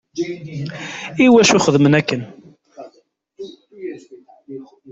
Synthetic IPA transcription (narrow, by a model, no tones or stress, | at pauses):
iwæʃuχəðmənækːən